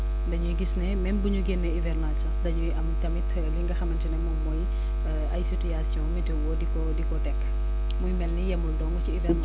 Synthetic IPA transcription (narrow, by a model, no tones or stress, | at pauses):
ndɐɲuɡisnɛmɛnbuɲuɡɛnːɛivɛrnat͡ʃɐdɐɲuɐmtɐmit | liŋɡɐxɐmɐntinɛmɔmɔj | ɐjsitujasjɔ̃mɛtɛwɔdikɔdikɔtɛkː | mujmɛlnijɐmːuldɔŋnɔt͡ʃiivɛ